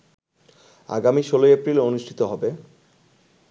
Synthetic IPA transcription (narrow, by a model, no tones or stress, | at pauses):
a̰ɡamiʃolojepɾilonuʃʈʰi̥t̪oɦɔbe